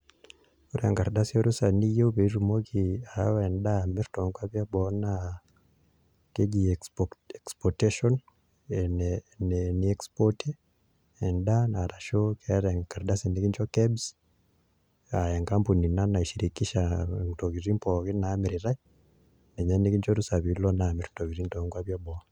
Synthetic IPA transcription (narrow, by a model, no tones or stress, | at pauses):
uɾa̰ŋkaɾdasioɾusanijoβeɾumokiawɛndamiɾu̥tɔŋɡwaβjabɔna | keɡi | ɛkspɔtaʃɔn | nnɛniɛkspɔti | ɛndanaɾaʃokeɾeŋkaɾidasinikiɲt͡ʃokɛbs | aeŋkampuninanaiʃiɾikiʃautoɣiɾimpoɣinamiɾiɾai | neɲanikiɲt͡ʃoɾusaβilɔnamiɾu̥toβiɾintoŋɡwaβjabɔ